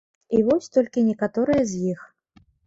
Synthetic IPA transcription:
ivɔsʲt̪ɔlʲkʲinʲɛkat̪ɔɾɨjɐzʲjix

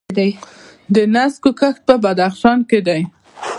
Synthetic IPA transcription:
d̪aj | d̪ənaskokəxt̪̚pəbad̪axʃɑnked̪aj

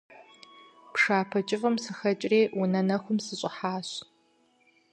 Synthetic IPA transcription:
pʂaːpʰɐt͡ʃʼɪfɐmsɨxɐt͡ʃʼreːwʊnɐnɐxʷʊmsɨɕʼɪħaːɕ

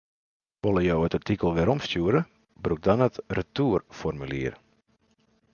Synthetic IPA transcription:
ʋolˠəjowətartikəlˠʋɪɾɔmstjuːɾə | bruk̚danətrətuːrfɔrmylḭər

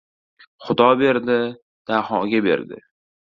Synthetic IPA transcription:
χʊd̪ɒbe̞ɾd̪ɪ | d̪̥ahɒɡʲabe̞̰ɾd̪ɪ̰

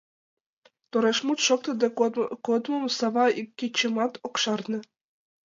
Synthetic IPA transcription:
t̪oɾeʂmut̪ʂok̚t̪ɤ̆d̪ekod̪mŏmusɑʋɑikʲːet͡ɕːĕmɑt̪okʂɑrnɤ̆

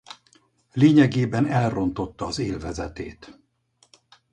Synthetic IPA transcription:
leːɲɛɡeːbɛnɛlro̞nt̪o̞t̪ːɒːzeːlvɛzɛt̪eːt̪

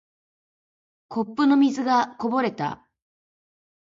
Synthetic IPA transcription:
kʰo̞pːɯ̟no̞mʲizɨɡako̞bo̞ɾe̞t̪a̰

